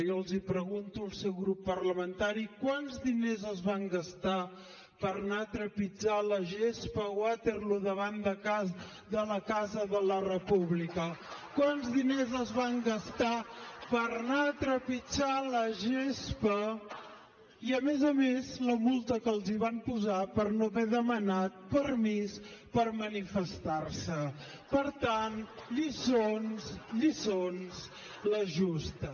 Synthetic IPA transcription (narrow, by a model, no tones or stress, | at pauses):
jɔlˠzipɾəɣunt̪uəlˠsɛwɣɾupːərləmənt̪aɾikwanzðinezəzβaŋɡəst̪a | pəɾnat̪ɾəpid͡ʒaləʒespəwat̪erluðəβand̪əkaz | ðələkazəðələrəpuβlikəkwanzðinezəzβaŋɡəst̪apəɾnaət̪ɾəpit͡ʃaləʒespə | iəmezəmezləmulˠt̪əkəlˠziβampuzapəɾnoβɛðəmənat̪̚pəɾmispəɾmənifəst̪aɾsə | pəɾt̪anʎisonsʎisons | ləʒust̪ə